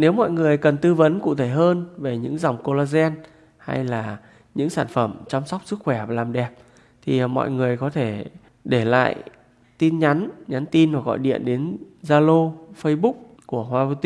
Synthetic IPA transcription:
ne˨˦wmɔ̰˧˨jŋɨ˨˩əjkə˨˩nt̪ɨ˧və˨˦nkṵ˧˨t̪ʰe˧˩ɦəː˧nve˨˩ɲɨ̰˧˥ŋza˨˩wŋ͡mko˧laː˧zɛ˧n | ha̰˧jlaː˨˩ | ɲɨ̰˧˥ŋsaː˧˩nfə˧˩mt͡ɕa˧wŋ͡msa˦˥wk͡p̚sɨ˦˥k̚xwɛ˧˩a˨˩laː˨˩mɗɛ˨˩p̚ | t̪ʰi˨˩mɔ̰˧˨jŋɨ˨˩əjkɔ˨˦t̪ʰe˧˩ | ɗe˧˩la̰ː˧˨j | t̪i˧nɲa˨˦nɲa˨˦nt̪i˧nhaː˨˩ɣɔ̰˧˨jɗḭ˧˨ənɗe˨˦nzaː˧lo˧fə˧jɓu˦˥k͡p̚ | ku˧˩əhwaː˧vo˧t̪i˧

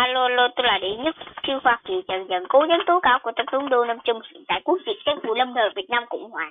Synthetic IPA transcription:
a˧lo˧lo˧t̪o˧laː˨˩ɗi˧˨˦ɲɨ˦˥t̚t͡ɕɨ˧hwaː˧˩kḭ˨zə˨˩nzə˨˩nko˨˦zə˨˦nt̪o˨˦kaː˨˧˦wku˧˩ət̪ə˨˩p̚t̪ʊ˨˦ŋ͡mɗo˧nə˧mt͡ɕʊ˧ŋ͡mst̪a̰ː˧˨jku˦˥ək̚zḭ˨˧˨ə˨sɛ˧˦ŋfu˧˩lə˧wŋ͡mnəː˨˩vi˨˩ət̚naː˧mkʊ̰˧˥wŋ͡mhwaː˨˩

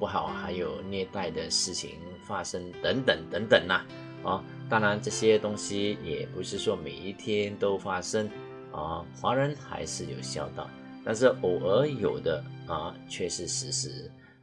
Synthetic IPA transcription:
pu˥˩xɑ˨˩ʊxa˧˥ɪjo˨˩ʊnjɛ˥˧t̪a˥˩ɪd̪ə˩ʂɻ̩˥˩t͡ɕʰḭ˧˥ŋ | fa˥ʂə˥ŋt̪ə˧˥ŋt̪ə˨˩ŋt̪ə˧˥ŋt̪ə˨˩ŋlɐ˨ | ɐ˧ | t̪a˥ŋɻa˧˥nʈ͡ʂɤ˥˩ɕjɛ˥t̪ʊ˥ŋɕi˥jɛ˨˩pu˧˥ʂɻ̩˥˩ʂwɔ˥me˨˩ɪi˥˩t̪ʰjɛ˥nt̪o˥ʊfa˥ʂə˥ŋ | ə̰˥˧˩xwa˧˥ɻə˧˥nxa̰˧˥ɪʂɻ̩˥˩jo˨˩ʊɕjɑ˥˧ʊt̪ɑ˥˩ʊ | t̪a˥˧nʂ̬ɻ̩˥˩ʔo˨˩ʔə˧˥jo˨˩ʊd̪ə˦ə˧t͡ɕʰɥɛ˥˧ʂɻ̩˥˩ʂɻ̩˧˥ʂɻ̩˧˥

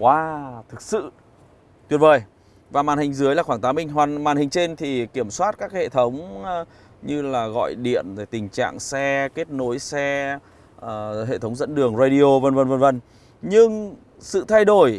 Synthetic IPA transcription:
kwaː˧t̪ʰɨ˨˩k̚sɨ̰˧˨ | t̪wi˨˩ən̚vəː˨˩j | vaː˨˩maː˨˩nhï˨˩ŋ̟zɨ˨˦əjlaː˨˩xwaː˧˩t̪aː˨˦mï˧˩ŋ̟ɦwaː˨˩nmaː˨˩nhï˨˩ŋ̟t͡ɕe˧nt̪ʰi˨˩ki˧˩əmswaː˦˥t̚kaː˦˥k̚hḛ˧˨t̪ʰə˨˦wŋ͡m | ɲɨ˧laː˨˩ɣɔ̰˧˨jɗḭ˧˨ənzaː˧˩jt̪ï˨˩ŋ̟t͡ɕa̰ː˧˨ŋsɛ˧ke˦˥t̚no˨˦jsɛ˧˨˩ | ɦḛ˧˨t̪ʰə˨˦wŋ͡mzə̰˧˥nɗɨ˨˩əŋzaː˧ɗi˧o˧və˧˩nvə˧˩nvə˧˩nvə˧˩n | ɲɨ˧ŋ | sɨ̰˧˨t̪ʰa˧jɗo˧˩j

